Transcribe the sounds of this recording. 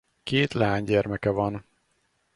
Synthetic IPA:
keːt̪laːɲɟɛrmɛkɛvɒn

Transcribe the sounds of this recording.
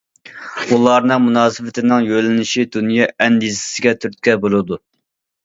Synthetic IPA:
ulˠɑɾnɨŋmunɑːsɨvɪt̪ʰɪnɪŋjølɪnɪʃid̪unjɑːɛnd̪izɪ̥sɪɡʲɛt̪ʰyɾt̪̚kʲɛbolˠɨd̪u

